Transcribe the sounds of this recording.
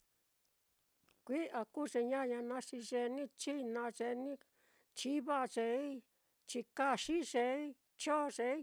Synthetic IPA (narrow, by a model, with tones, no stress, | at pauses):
kʷi˦ʔa˧ku˦ʐe˧ɲã˦˧ɲã˧nã˧˦ʂi˧ʐe˧nĩ˦t͡ʃi˦nã˧ʐe˧nĩ˦ | t͡ʃi˦βa˦˧ʐe˧i˦ | t͡ʃi˧ka˧ʂi˦ʐe˧˦ | t͡ʃo˦˨˧ʐe˧i˦